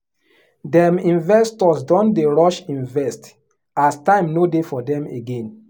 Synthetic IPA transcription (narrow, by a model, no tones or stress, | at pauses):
dɛ̃mĩnvɛstɔsdɔ̃ndeɹɔʃĩnvɛst | astãɪ̃mnodefɔdɛ̃meɡɛ̃n